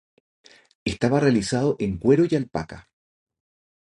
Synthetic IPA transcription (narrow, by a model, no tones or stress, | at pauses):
est̪aβarealisað̞oʔeŋkweɾojalpa̰ka̰